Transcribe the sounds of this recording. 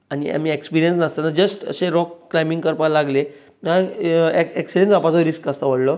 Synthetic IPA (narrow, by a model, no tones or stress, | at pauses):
aɽ̃ia̰miekspiɾijənsnast̪anad͡ʑəsʈə̰ɕeɾɔkːlajmiŋɡkəɾpə̃laɡle | naeekspiɾeənt͡sapat͡sɔɾiskast̪aʋəɽlɔ